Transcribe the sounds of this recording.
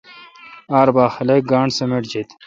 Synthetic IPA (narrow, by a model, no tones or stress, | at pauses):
aːɾbaːxɐlek̚ɡaːɳsɐmeʈd͡ʑit̪